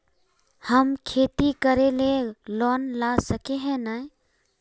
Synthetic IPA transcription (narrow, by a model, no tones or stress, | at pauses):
həmkʰeːt̪ikəɾelelɔnlasəkeɦɛ̃nə